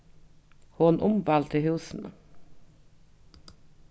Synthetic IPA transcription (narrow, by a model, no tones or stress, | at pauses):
hoːnʔʊmbɑlt̪ʰɪhʉːsn̩